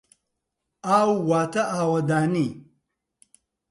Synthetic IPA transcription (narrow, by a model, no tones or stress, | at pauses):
aːwwaːt̪ɐʔaːwɐd̪aːni